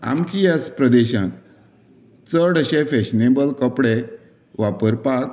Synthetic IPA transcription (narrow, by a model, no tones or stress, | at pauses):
a̰mkijaspɾəd̪eɕãn | t͡səɽəɕẽfeɕnebəlkəpɽe | ʋapəɾpak